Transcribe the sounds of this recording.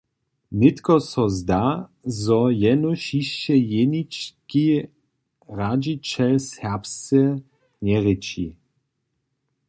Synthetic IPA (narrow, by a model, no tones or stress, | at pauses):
nɪt̪kɔsɔzd̪azɔjɛnuʃiʃt͡ʃɛjenit͡ʃki | ʁad͡ʒit͡ʃɛlshɛʁpst͡sɛ | ɲɛʁɪt͡ʃi